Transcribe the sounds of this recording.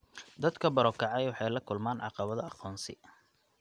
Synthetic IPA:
d̪ɐd̪kʰɐbɐɾɔkʰɑʕɑjwɑħɑjlɐkʰʊlmaːnʕɑ̰qɑβɐðɐɑqɔːnsɪ̰

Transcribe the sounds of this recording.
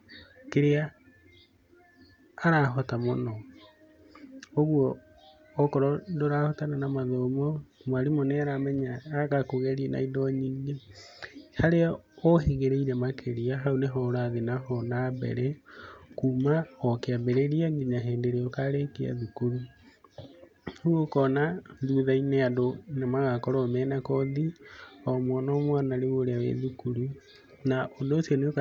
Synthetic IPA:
keɾea | ɾaɦɔtamonɔ | oɣwɔː | kɔɾɔdoɾahɔtananamaðɔmɔmwaɾimɔnɛaɾamɛɲaːakakoɣɛɾiɛna̰idɔɲiːŋɡe | haɾeaoɦeɣeɾeiɾɛmakʰeɾiaɦaoneɦɔɾaðenaɦɔnabɛ̰ɾɛkuːmahɔkeabɛɾeɾiaɡiɲaɦeːndeɾeɔkaɾekea̰ðukuɾu | huokɔnaðuðaineadonemaɣakɔɾɔmɛnakɔðiɔmɔnɔmwanaɾeɣoɾeawḛðukuɾu | naʔondoːsioneok

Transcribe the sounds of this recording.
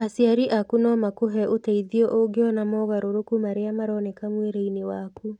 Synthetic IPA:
asiaɾiʔakunɔmakoɦɛʔotaiðiɔʔoɡeɔnamɔɣaɾoɾokumaɾeamaɾɔnekamweɾeinewaku

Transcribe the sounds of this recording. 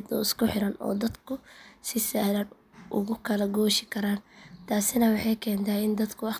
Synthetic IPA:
d̪ɔɪskʰʊħɪɾɐnɔ̰ːd̪ɐd̪kʰʊsɪsaːlɐn | ʔʊ̰ɣʊkʰɐlɐɡɔːʃɪkʰɐɾaːnt̪ʰaːsɪnɐwɑħɑjkʰɛːnt̪ʰaːɪnd̪ɐd̪kʰʊɑ

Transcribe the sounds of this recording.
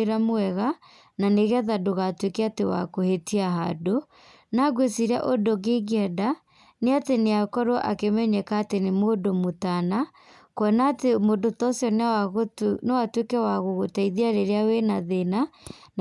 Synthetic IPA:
ɾamoɛɣa | naneɣaðadoɣatwekɛatewa̰kohetiaɦa̰do | naɡwesiɾa̰ʔodoɡeɡiɛda | neateneakɔɾɔʔakemɛɲɛkaːtenemodomotana | kwɔnatemodotɔsjɔn | newatwekɛwaɣoɣotɛiðiaɾeɾeawenaðenan

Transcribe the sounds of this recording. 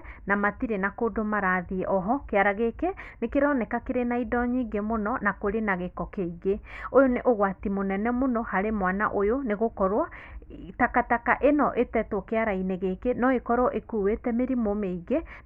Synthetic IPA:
namatiɾenakodomaɾaðiʔɔɦɔkeaɾaɣekenekeɾɔnɛkakeɾenaidɔɲiɡemonɔnakoɾenaɣekɔkeiɣeojoneʔoɣwatimonɛnɛmonɔhaɾemwana̰ʔojoneɣokɔɾwatakatakaʔenɔʔetɛtwɔkeaɾaineɣekenɔekɔɾɔʔekuːwetɛmeɾimomeiɣe

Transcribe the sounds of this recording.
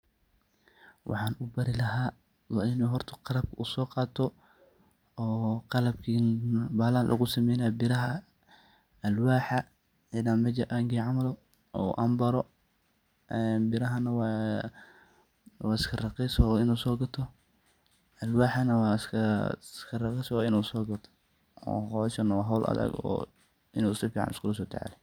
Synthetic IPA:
wʔɑ̰ħɑːnʔʊbɐɾɪlɐɦaː | wɑːɪnuːɦɔrt̪ʰɐ̥qɑlɐb̚kʰɐusɔːqɑːt̪ʰɔ | ɔːqɑlɐbkʰinbaːlaːnlʔɐ̰ɣʊsɐmɛjnabɪɾɐɦɐ | ɐlwaːħɐ | ɪdamɐd͡ʒɐʔaŋɡiʕɑmɐlɔ | ɔ̰ːʔɐ̰mbɐɾɔ | ɛnbɪɾɐɦɐnɐwa | waːɪskʰɐrɐqɛsɔɪnuːsɔːɡɐt̪ʰɔ | ɐlwaːħanɐwasskʰɐrɑqɛswaːɪnusɔːɡɐt̪ʰɔ̥ | ɔ̰ːɔsɐnɐwaːɦɐwlʔɐ̰ðɐ̰ɡɔ̰ː | ʔɪnuːɪsɐfiːʕɑ̰nɪ̰skʰʊlɐs̬ɔːt̪ʰa̰ʕa̰lɛ

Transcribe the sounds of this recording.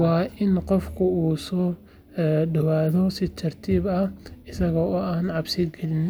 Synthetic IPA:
wɑːʔɪnqɔfkʰʊuːsɔː | ɖɐwaːðɔsɪt̪ʰɐrt̪ʰiːbɐhɪsɐɣɔːɔːaːnʕɑbsɪd̪ɡɛlɪn

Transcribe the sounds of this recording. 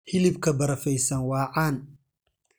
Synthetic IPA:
hɪlɪbkʰɐbɐɾɐfɛjsɐnwɑːʕɑːn

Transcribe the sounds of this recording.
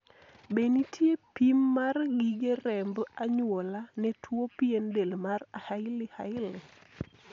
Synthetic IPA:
benitʰjepimːarɡiɡeɾɛmbaɲwolanɛtʰwopiendelmarahaɪlɪhaɪlɪ

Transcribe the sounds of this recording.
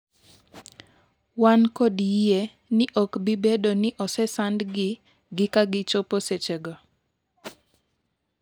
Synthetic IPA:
wankode | nɪʔɔkbibedonɪʔɔsɛsandɡɪ | ɡɪkaɡɪt͡ʃoposet͡ʃeɡɔ

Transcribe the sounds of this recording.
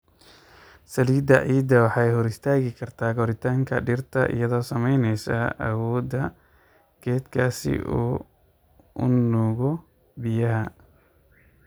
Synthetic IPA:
sɐliːd̪ɐʕiːd̪ɐwɑħɑjhɔɾɪst̪ʰaːɣɪkʰɐrt̪ʰaːɡɔɾɪt̪ʰaːŋkʰɐ̰ɖɪrt̪ʰɐ̰ʔɪ̰jɐðɔːsɐmɛjnɛjsɐ̰ʔɐ̰wɔːd̪ɐ | ɡ̥ɛːd̪kʰaːsɪ̰ʔṵː | ʊ̰nɔːɣɔ | bɪjɐɦɐ

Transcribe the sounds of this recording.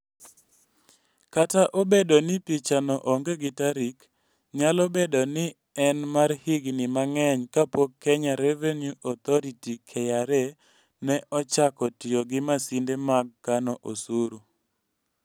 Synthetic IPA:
kataʔobedonɪpit͡ʃanɔʔɔŋɡeɡɪtaɾik | ɲalobedonɪ | ɛnmarhiɡnɪmaŋɛɲkapokʰːɛɲaɾɛvenjuʔɔt̪ɔɾitikʰɛjaɾɛ | nɛʔɔt͡ʃakɔtɪɔɡɪmasindemaɡ̚ːanɔʔosuɾu

